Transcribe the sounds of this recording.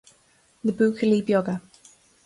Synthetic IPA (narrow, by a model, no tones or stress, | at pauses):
ðəbʉːˑkʰəliːbjɔɡə